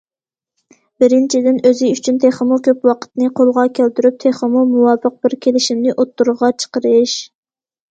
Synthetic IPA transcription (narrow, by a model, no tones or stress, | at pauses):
b̥ɪɾɪnt͡ʃʰid̪ɪnøzɪyt͡ʃʰynt̪ʰeχəmukʲʰøpwɑqʰə̥t̪nɨqʰolˠʁɑkʲʰælt̪yɾyp̚t̪ʰeχəmumuwɑːfəq̚bɪɾkʲʰelɪʃimnɪʔot̪ːuɾʊʁɑt͡ʃʰə̥qəɾɨʃ